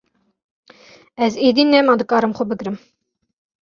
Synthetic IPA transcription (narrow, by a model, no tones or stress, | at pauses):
ɛzed̪inːɛmɑd̪ɨkɑɾəmχʊbɨɡɾɘm